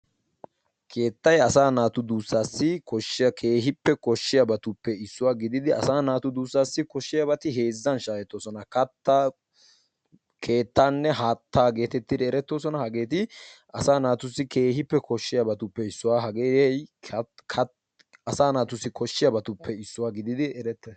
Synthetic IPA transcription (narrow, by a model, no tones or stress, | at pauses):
kʰe̞ːt̪ːɐjɐsaːnaːt̪ʊd̪uːsːaːsːɪkɔʃkʰe̞ːɦɪpːɛkɔʃːɪjabɐt̪ʊpːɛɪsːʊwaːɡɪd̪ɪd̪ɪɐsaːnaːt̪ʊd̪uːsːaːsːɪkɔʃːɪjabɐt̪ɪɦe̞ːzːɐnʃaːjɛt̪ːoːsɔnɐkɐt̪ːɐ | kʰe̞ːt̪ːaːnːɛɦaːt̪ːaːɡe̞ːt̪ɛt̪ːɪd̪ɛɛɾɛt̪ːo̞ːsɔnɐhɐɡeːt̪ɪʔɐsaːnaːt̪ʊsːɪke̞ːɦɪpːɛkʰɔʃːɪjabɐt̪ʊpːɛɪsːʊwaːɦɐɡeːjɛjkʰɐ | ɐsaːnaːt̪ʊsːɪkɔʃːɪjabɐt̪ʊpːɛɪsːʊwaːɡɪd̪ɪd̪ɪɛɾɛt̪ːɐ